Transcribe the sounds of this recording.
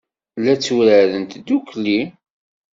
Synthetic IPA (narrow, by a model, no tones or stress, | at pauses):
lːæt͡sːuɾəðənt̪d̪ukli